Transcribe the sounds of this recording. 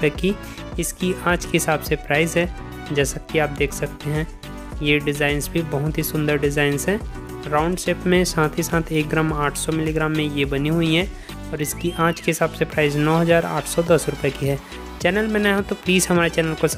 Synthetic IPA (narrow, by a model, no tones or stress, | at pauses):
ɛki | ɪskiaːd͡ʒkeɦɪsaːbsepɾaːɪzɦɛː | d͡ʒɛːsakiaːp̚d̪eːkʰsɐk̚t̪eɦɛ̃ | jeɖɪzaːɪnzbʱibɐɦʊt̪ɦisʊ̃nd̪əɾɖɪzaːɪnzɦɛ̃ː | ɾaːʊ̃ɳɖʃeːpmẽsãːt̪ʰɦisãːt̪ʰeːk̚ɡɾaːmaːʈʰsɔmɪliɡɾaːmːẽjebɐniɦʊiɦɛ | ɔːɾɪskiʔaːd͡ʒkeɦɪsaːbsepɾaːɪznɔːɦɐzaːɾa̰ːʈʰsɔd̪ɐsɾʊpɛkiɦɛː | t͡ʃɛːnəlmẽnaɦãt̪opliːzɦɐmaːɾet͡ʃɛːnəlkos